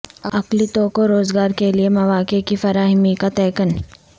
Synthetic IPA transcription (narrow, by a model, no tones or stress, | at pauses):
ɐklit̪oːkoɾoːzɡaːɾkeliemɐʋaːkekifɐɾaːɦɪmikat̪ɛːkən